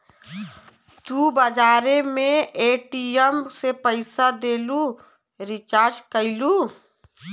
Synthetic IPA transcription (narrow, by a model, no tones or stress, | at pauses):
t̪ubəd͡ʒaːɾemẽeːʈiəmsepəɪsad̪eːlu | ɾɪt͡ʃaːɾd͡ʒkəɪluː